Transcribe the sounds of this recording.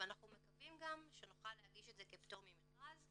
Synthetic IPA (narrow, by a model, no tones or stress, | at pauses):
anaχnumekavimɡamʃenuχalːehaɡiʃetzekept̪omimiχʁaz